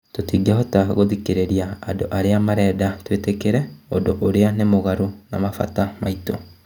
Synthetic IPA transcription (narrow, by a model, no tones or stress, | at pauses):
totiːɡiaɦɔtaɣoðikeɾeɾiaːdoʔaɾeamaɾɛːdatwetekeɾɛodoʔoɾeanemoɣaɾona̰mafa̰tamaitɔ